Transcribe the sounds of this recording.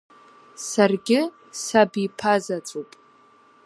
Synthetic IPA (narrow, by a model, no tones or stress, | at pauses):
sarɡʲɪ | sabipʰazat͡sʷʼupʼ